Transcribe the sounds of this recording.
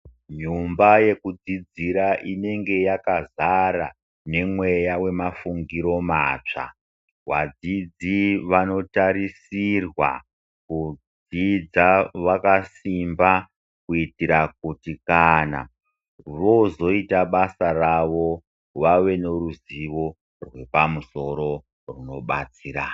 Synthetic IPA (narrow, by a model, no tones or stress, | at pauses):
ɲumbaje̞kud͡zid͡ziɾaʔine̞ŋɡe̞jakazaɾa̰ | ne̞mwe̞jawe̞mafuŋɡiɾo̞maːt͡ʂa̰ | wa̰d͡zid͡ziʋano̞taɾisirwa̰ | kud͡z | id͡zaʋakasimba | kuitiɾak̚utikana̰ | ʋo̞zo̞itaɓasaraʋo̞ | ʋaʋe̞ne̞ruziʋo̞ | rwe̞pamuso̞ɾo̞ | runo̞ɓat͡siːɾa